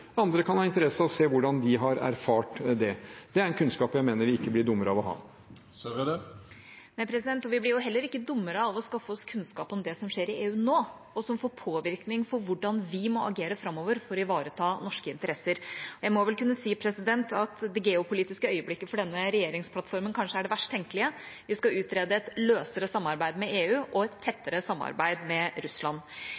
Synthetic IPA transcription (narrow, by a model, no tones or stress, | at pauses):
ɑnd̪ɾəkʰɑnhɑːɪnt̪əɾɛsəɑɔseːʋʊɖɑnd̪ɪɦɑɾæ̰ɾfɑːʈd̪ɛd̪̥ɛæɾɛnkʰʉnskɑːpjæɪmeːnəɾʋɪɪkːəblɪɖ̪ʊmːəɾəɑʋɔɦɑ̰ː | næɪpʰɾɛs̬ɪd̪ɛnt̪ɔʋɪblɪɾjʊɦɛlːəɾɪkːəd̪ʊmːəɾəɑʋɔskɑfːəɔskʰʉnskɑːpɔmd̪ɛsɔmʂeːɾɪʔeːʉːnoː | ɔsɔmfoːɾpʰoːʋɪɾknɪŋfɔɾʋʊɖɑnʋɪmɔɑɡeːɾəfɾɑmːoːʋəɾfɔɾɔɪʋɑːɾət̪ʰɑːnɔʂkəɪnt̪əɾɛsəɾɔjæɪmɔʋɛlkʉnːəsiːpʰɾɛsɪd̪ɛnt̪ɑt̪d̪ɛɡeːʊpʰʊliːt̪ɪskəœʏəblɪkːəfɔɖɛnːəɾɛjeːɾɪŋspʰlɑt̪fɔɾmənkʰɑnʂəæɖɛʋæʂʈt̪ʰɛŋkəlɪəʋɪskɑʉːt̪ɾeːd̪əɛt̪løːsəɾəsɑmːɑɾbæɪd̪mɛeːʉːʔɔɛt̪ʰːɛt̪ːəɾəsɑmːɑ̰ɾbæɪd̪mɛɾʉslɑn